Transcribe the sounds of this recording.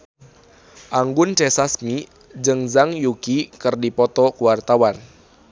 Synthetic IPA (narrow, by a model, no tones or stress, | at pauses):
ʔaŋɡunt͡ʃɛsasmi | d͡ʒɨŋzaŋjukikɨrdipɔt̪ɔkuwart̪awan